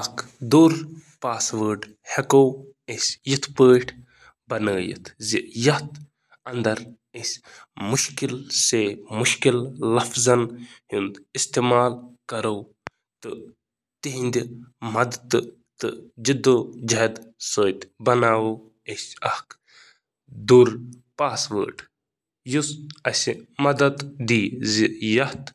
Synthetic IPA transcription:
ɐkʰ | d̪uːɾpaːsʋəːɖ | hekow | esʲjit̪ʰpəːʈʰ | bɐnəːjḭt̪ʰzijɐt̪ | ɐnd̪ɐɾ | esʲmʊʃkilseːmʊʃkillɐfzɐnhund̪ist̪eːmaːlkɐɾow | t̪ɨ | t̪iɦind̪ʲimɐd̪ɐt̪ | t̪ɨd͡ʒid̪od͡ʒɐd̪soːt̪ʲbɐnaːwo | esʲɐhk | d̪uɾ | paːsʋə̰ːʈ | jusɐsʲmɐd̪ɐd̪d̪iːjɐht̪

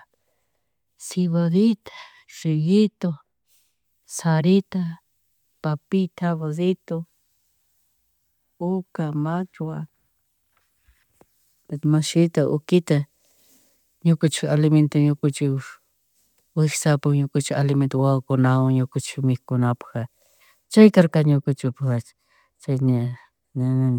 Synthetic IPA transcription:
siβaðit̪ḁ | ʐijit̪o | saɾit̪a | papit̪ʰaβaðit̪o | ukamat͡ʃwa | pet̪maʃɪt̪aʔʊkɪt̪a | ɲʊkʊt͡ʃɪalɪment̪aɲʊkʊt͡ʃɪ | wɪxsapʊŋɲʊkʊt͡ʃɪalɪment̪ʊwawkʊnawaŋɲʊkʊt͡ʃmɪkʊnapḁxa | t͡ʃajkaɾkaɲʊkʊt͡ʃɪpḁ | t͡ʃajna

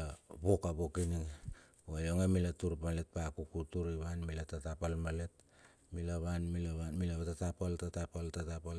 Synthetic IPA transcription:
abokaβokiniŋ | ojoŋamilatuɾpalet̚pakukutuɾiβanmilatatapalmalet̚ | milaβanmilaβanmilaβatatapaltatapaltatapal

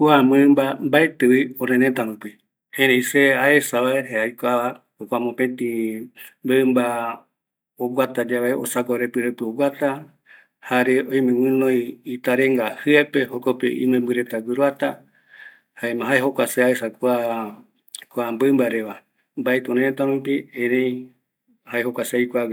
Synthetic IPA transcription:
kuambɨmbambaet̪ɨβiõɾẽnẽt̪aɾũpi | hẽɾeiseaesaβaeɦeajkaβa | okʷamõpẽt̪ĩ | bemba | oɡʷat̪ad͡ʒaʋeo̰sakoɾepɨɾepɨoɡat̪a | haɾeʔõjmẽwɨ̃nõjit̪aɾẽŋɡahɨepehokopḛʔḭ̃mẽmbɨɾet̪aɡɨɾuat̪a | haemãɦaeɦokʷaseaesakʷa | kʷambɨmbaɾeʋa | mbaet̪ũɾẽt̪aɾũp̬iẽɾẽj | haehokʷaseajkʷaɡ

